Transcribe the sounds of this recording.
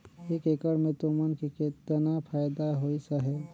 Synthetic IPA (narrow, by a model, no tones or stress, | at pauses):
ekekəɽmẽt̪omankiket̪ənapʰaːjd̪aɦoisəɦɛ